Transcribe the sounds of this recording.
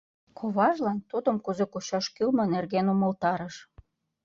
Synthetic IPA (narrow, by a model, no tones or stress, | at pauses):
kʰoβɑʒlɑnt̪ud̪ə̆mkuzekoɕɑʃkylmɤ̆nerɣenumə̆lt̪ɑɾəʃ